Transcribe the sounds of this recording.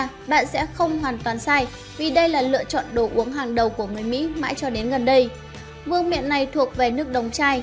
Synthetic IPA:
ɓa̰ː˧˨nsɛ̰˧˥xə˧wŋ͡mɦwaː˨˩nt̪waː˨˩nsaː˧j | vi˨˩ɗə˧jlaː˨˩lɨ̰˧˨ət͡ɕɔ̰˧˨nɗo˧˩ʔu˨˦əŋɦaː˨˩ŋɗə˨˩wku˧˩əŋɨ˨˩əjmḭ˧˥ma̰ː˧˥jt͡ɕɔ˧ɗe˨˦nɣə˨˩nɗə˧j | vɨ˧əŋmḭ˧˨ənːa˨˩jt̪ʰu˨˩ək̚ve˨˩nɨ˦˥ək̚ɗə˨˩wŋ͡mt͡ɕaː˧j

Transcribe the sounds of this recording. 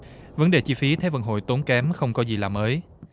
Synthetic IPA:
və˨˦nɗe˨˩t͡ɕi˧fi˨˦t̪ʰe˨˦və̰˧˨˩n̚ɦo̰˧˨jt̪o˨˦nkɛ˨˦mxə˧wŋ͡mkɔ˨˦zi˨˩laː˨˩məː˨˦j

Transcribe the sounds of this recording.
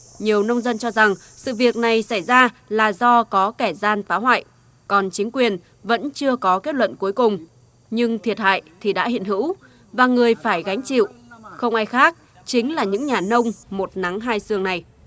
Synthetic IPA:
ɲi˨˩əwnə˧wŋ͡mzə˧nt͡ɕɔ˧za˨˩ŋ | sɨ̰˧˨vi˨˩ək̚na˨˩jsa˧˩jzaː˧ | laː˨˩zɔ˧kɔ˨˦kɛ˧˩zaː˧nfaː˨˦wɦwa̰ː˧˨j | kɔ˨˩nt͡ɕï˨˦ŋ̟kwi˨˩ən | və̰˧˥nt͡ɕɨ˧əkɔ˨˦ke˦˥t̚lwə̰˧˨nku˨˦jkʊ˨˩ŋ͡m | ɲɨ˧ŋt̪ʰi˨˩ət̚ha̰ː˧˨jt̪ʰi˨˩ɗa̰ː˧˥hḭ˧˨nhɨ̰˧˥w | vaː˨˩ŋɨ˨˩əjfaː˧˩jɣa˨˦jŋ̟t͡ɕḭ˧˨wxə˧wŋ͡mʔaː˧jxaː˦˥k̚ | t͡ɕï˨˦ŋ̟laː˨˩ɲɨ̰˧˥ŋɲaː˨˩nə˧wŋ͡mmo˨˩t̚na˨˦ŋɦaː˧jsɨ˧əŋna˨˩j

